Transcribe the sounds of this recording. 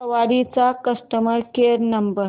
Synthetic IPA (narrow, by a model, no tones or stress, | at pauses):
ʋaɽit͡sakəsʈəməɾkeɾnəmbəɾ